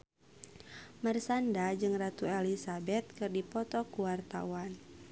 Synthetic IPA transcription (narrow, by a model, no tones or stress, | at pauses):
mərsandad͡ʒɨŋrat̪uɛlisabɛt̪̚kɨrdipɔt̪ɔkuwart̪a̰wan